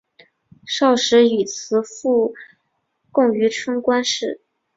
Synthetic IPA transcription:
ʂɑ˥˩ʊʂɻ̩˧˥y˨˩t͡sʰɹ̩˧˥fu˥˧ | kʊ˥˩ŋy˧˥ʈ͡ʂʰɤ˥ŋkwa˥nʂɻ̩˥˩

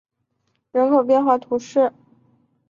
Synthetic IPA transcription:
ɻə˧˥nkʰɤ˧˥ʊpjɛ˥˧nxwa˥˩t̪ʰu˧˥ʂɻ̩˥˩

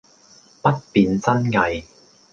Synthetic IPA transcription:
pɐ˥t̚piː˨nt͡sɐ˥nŋɐ˨˧j

